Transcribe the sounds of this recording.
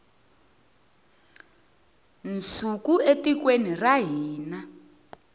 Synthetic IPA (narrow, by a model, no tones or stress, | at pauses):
nt͡sukuetikweniraɦiːna